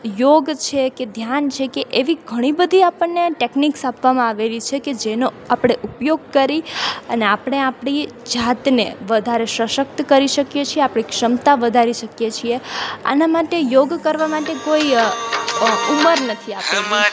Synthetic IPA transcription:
joɡt͡ʃʰeked̪ʱjant͡ʃʰekeʔeʋiɡʱəɽ̃ibəd̪ʱiapəɳːeʈekniksapʋamãaʋelit͡ʃʰeked͡ʒeno | apɽ̃eʔupjoɡ̚kəɾiəneapəɽ̃eapɽ̃i | d͡ʒat̪nḛʋəd̪ʱaɾeʃəʃək̚t̪kəɾiʃəkjet͡ʃʰieapɽ̃ikʃəmt̪aʋəd̪ʱaɾiʃəkjet͡ʃʰiea̰namaʈejoɡkəɾʋamaʈekoi | uməɾnət̪ʰiap

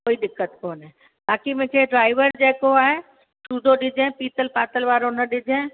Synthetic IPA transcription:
koːiɗɪkːət̪koːnɦɛ̃ | baːkimẽt͡ʃeeɖɾaːɪʋəɾɛɦkoaːɦe | ʃuːd̪ʱoɗɪd͡ʒʱẽpiːt̪əlpaːt̪əlʋaːɾonɐɗɪd͡ʒʱẽː

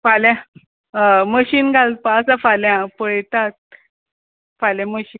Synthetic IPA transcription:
faljã | əməɕiːnɡʱalt̪̚paəsãfaljãpəɭt̪at̪̚ | falãməɕiːn

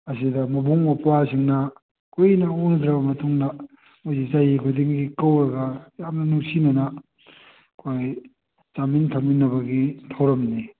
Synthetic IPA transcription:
ɐsidɐmɐbuŋmapwasiŋnɐ | kʰojnɐonɐd̪ɾɐbɐmɐtuŋdɐ | mojzizajikʰudiŋɡikɐwɾɐɡɐjamnɐnuŋsinɐnɐ | kʰoj | t͡ʃamintʰɐminːɐbɐɡitʰɐwɾɐmni

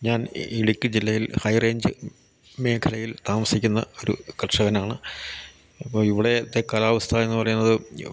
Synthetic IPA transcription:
ɲaːniɽikʲːɨd͡ʑilːɐjilhɐjre̞ːɲd͡ʑɨ | me̞ːkʰɐlɐjilt̪aːmɐsikʲːunːɐ̰o̞ɾṵkɐʈʂɐɣɐnaːɳɨ | ɐpːoːiʋiɽe̞ɐt̪ːekɐlaːʋɐst̪ʰae̞nːɨpɐrɐjunːɐðɨ

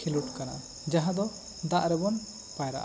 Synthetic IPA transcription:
iluʈkana̰ | d͡ʒaɦãd̪ɔ | d̪aʔɾɛbɔn | pajɾa̰ʔa

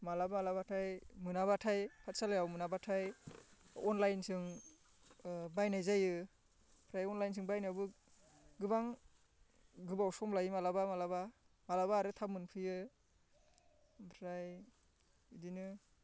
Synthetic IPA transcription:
malabamalabatʰajmɯnaβatʰajpʰat̚salajawmɯnabatʰaj | ɔnlajnsɯŋ | bajnajzajɯ | pʰɾajɔnlajns̬ɯŋbajnabɯ | ɡɯbaŋ | ɡɯbawsɔmlajɯmalabamalaba | malabaːɾɯtʰamɯnpʰɯjɯ | pʰɾaj | idinɯ

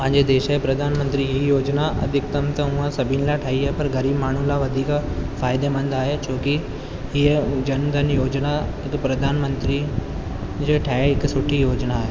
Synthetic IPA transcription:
pɐ̃ɦẽɲd͡ʑed̪eːʃaɦepɾɐd̪ʱaːnmə̃nt̪ɾiɦijoːd͡ʑnaɐ̰d̪ʱɪkt̪ɐmt̪ɐʊ̃ãsɐbʱɪnɪlaʈʰaːɦiɦaːɦepɐɾɡɐɾiːbmaːɳ̤ũlaʋɐd̪ʱiːkfaːɪd̪emɐ̃nd̪aːɦet͡ɕʰoːki | ɦiəd͡ʑɐnd̪ʱənjoːd͡ʑnaɦɪkpɾɐd̪ʱaːnmə̃nt̪ɾi | d͡ʑeːʈʰaːeɦɪksʊʈʰijoːd͡ʑnaːɦeː

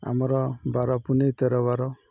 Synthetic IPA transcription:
a̰mɔɾɔbaɾɔpunejt̪eɾɔbaɾɔ

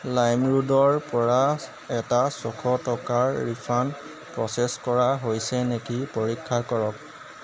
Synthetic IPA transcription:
lajmɹudɔɹpɔɹa | ɛtasɔkʰɔtɔkaɹːipʰan | pɹɔsɛskɔɹaɦojsɛnekipoɹikʰːakɔɹɔk̚

